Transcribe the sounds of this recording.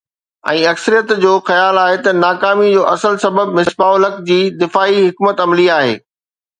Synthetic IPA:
ɛ̰̃ːɐksəɾijət̪d͡ʑoːxɐjaːlaːɦet̪ɐnaːkaːmid͡ʑoːʔɐsəlsɐbəb̚mɪsbaːʊlɐkd͡ʑiːd̪ɪfaːiɦʊkmət̪ɐmliaːɦḛː

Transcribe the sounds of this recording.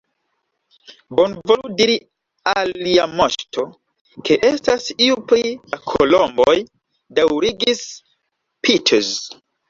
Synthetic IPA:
bo̞nvoludiɾi | aliamoʃtʰo̞ | kʰe̞ʔe̞stasiupɾiakʰolombo̞j | dawɾiɡis | pʰitʰez

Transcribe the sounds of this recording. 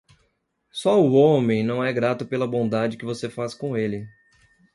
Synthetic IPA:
sɔʊõmẽj̃nɐ̃w̃ɛɡɾat̪ʊpelɐbõd̪ad͡ʒɪkɪvosefaskõelɪ

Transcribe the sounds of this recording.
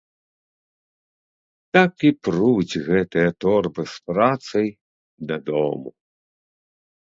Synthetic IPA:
t̪akipɾud͡zʲɣɛt̪ɨjɐt̪ɔrbɨspɾat̪sɐj | d̪ɐd̪ɔmu

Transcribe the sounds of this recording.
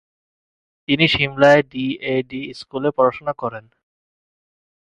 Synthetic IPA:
t̪iniʃimlaeɖieɖiskulepɔɾaʃonakɔɾen

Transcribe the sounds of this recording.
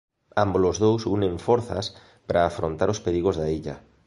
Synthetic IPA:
ambolozðowsunẽɱfoɾθa̰s | pɾaːfɾõnt̪a̰ɾospeɾiɣ̞ozðaiʎa̰

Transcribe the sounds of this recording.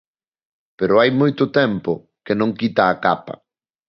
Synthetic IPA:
peɾʊajmojt̪ʊt̪ɛmpʊ | kenõŋkit̪aːkapɐ̰

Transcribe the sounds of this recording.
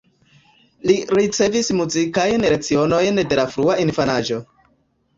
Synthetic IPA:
liɾit͡se̞vismuzikajnɾet͡sio̞no̞jnde̞lafɾuainfanaʒo̞

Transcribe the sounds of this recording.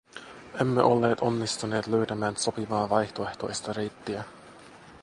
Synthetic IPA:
e̞mːḛʔo̞lːe̞ːt̪o̞nːist̪une̞ːt̪løɥt̪æmæːnso̞piʋɑːʋɑjht̪o̞e̞ht̪o̞jst̪ɑrejt̪ːiæ

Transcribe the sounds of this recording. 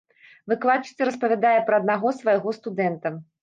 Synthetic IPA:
vɨklˠat͡ʂɨ̥sʲɐɾɐspɐvʲad̪ajɛpɾɐɐd̪̚naɣɔsvɐjaɣɔst̪ud̪ɛnt̪ɐ

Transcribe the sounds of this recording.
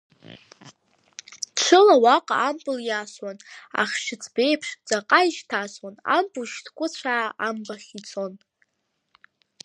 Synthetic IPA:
ʈ͡ʂʷʰɨlawaqʼa̰ːmpʼɨljaswana̰χʲʃɪt͡sʰbe̞jpʰʂt͡sʼaqʼaiʃtʰaswana̰mpʼuʃtʰkʷʼʊt͡sʷʰaaʔambaχʲit͡sʰo̞n

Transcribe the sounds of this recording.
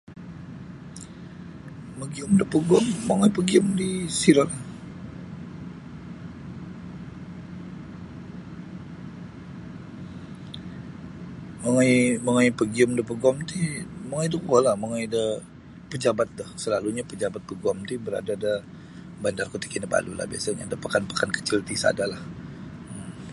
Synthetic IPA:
məɡiʊmdəpəɡɔmːaŋajpəɡiʊmdisiɾola | məŋajməŋajpəɡiəmdəpəɡɔmt̪iməŋajdəkəɡɔlaməŋajdə | pəd͡ʒabat̪̚d̪ʊhsəlaluɲapəd͡ʒabat̪̚pəɡɔmt̪ibəɾa̰dada | bandarkut̪i̥kinəba̰lula̰hbia̰saɲa̰dapakanpḁkankə̥t͡ʃɪlt̪isa̰dalahəm

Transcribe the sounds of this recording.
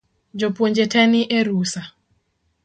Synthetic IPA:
d͡ʒopwoɲd͡ʒetʰɛniʔeɾusa

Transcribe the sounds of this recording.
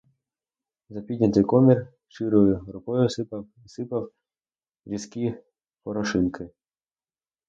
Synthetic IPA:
zɐpʲid̪ʲnʲɐt̪ɪjkɔmʲir | ʃt͡ʃɪɾɔjʊɾʊkɔjʊsɪpɐ | isɪpɐw | ɾʲisʲkʲi | pɔɾɔʃɪnkʰɪ

